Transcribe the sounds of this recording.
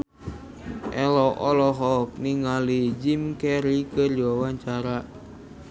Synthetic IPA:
ʔɛlɔʔɔlɔɦɔk̚niŋalid͡ʒimkɛɾikərd͡ʒiwawaɲt͡ʃaɾa

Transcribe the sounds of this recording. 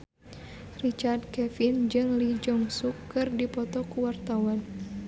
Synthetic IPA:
rit͡ʃard̪̚kɛfind͡ʒɨŋlid͡ʒɔŋsukːɨrdipɔt̪ɔkuwart̪awan

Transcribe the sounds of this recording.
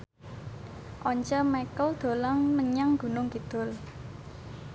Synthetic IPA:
ʔɔɲt͡ʃɔmakəld̪̥o̤laŋməɲaŋɡ̥ṳnʊŋɡ̥id̪̥ʊ̤l

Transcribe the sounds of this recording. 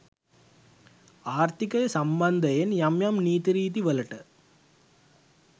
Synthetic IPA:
aːɾt̪ɪkːɐjɐsɐmbɐnd̪ɐjenjɐmjɐmniːt̪iɾiːt̪iʋɐlɐʈːɐ

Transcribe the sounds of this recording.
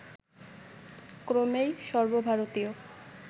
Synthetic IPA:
kɾomejʃɔɾbobʱaɾot̪io

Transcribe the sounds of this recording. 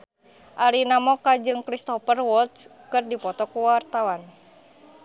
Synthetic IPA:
ʔaɾinamɔkad͡ʒɨŋkɾist̪ɔfərwɔt̪skɨrdipɔt̪ɔkuwart̪awan

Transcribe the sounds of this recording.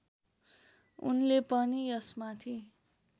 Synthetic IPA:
ṵnlepʌnijʌsmat̪ʰi

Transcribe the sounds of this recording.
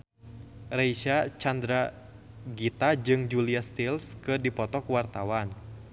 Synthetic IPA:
reiʃat͡ʃand̪ɾa | ɡit̪ad͡ʒɨŋd͡ʒuliast̪ilskɨrdipɔt̪ɔkuwart̪awan

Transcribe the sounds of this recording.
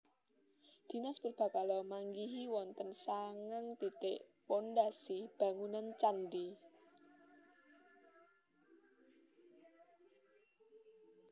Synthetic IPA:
d̪̥i̤nasb̥ərb̥a̤kalɔmaŋɡiɦiwɔnt̪ənsaŋaŋt̪it̪eʔpondasib̥ä̤ŋunant͡ʃandi

